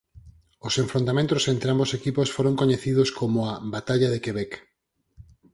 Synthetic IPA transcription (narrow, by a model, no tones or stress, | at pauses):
osẽɱfɾõnt̪amẽnt̪osent̪ɾeambosekiposfoɾoŋkoɲeθiðoskomoabat̪aʎaðekeβɛk